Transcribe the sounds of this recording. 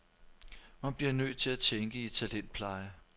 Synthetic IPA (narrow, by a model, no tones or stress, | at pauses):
mænb̥liɐnøð̥̚t͡sʰe̝læt͡sʰeŋɡ̥əit͡sʰælen̰d̥̚pʰlɑ̈ɪə